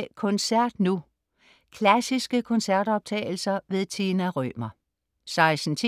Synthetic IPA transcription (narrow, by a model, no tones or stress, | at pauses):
kʰɔ̽nsæɐ̰d̥nu | kʰlæsisɡ̥əkʰɔ̽nsæɐd̥ɒ̽b̥̚t͡sʰɛ̰ːɪl̩sɐʋe̝ðˠt͡sʰenæʁœ̰ːmɐ | sɑ̈ɪsn̩t͡sʰi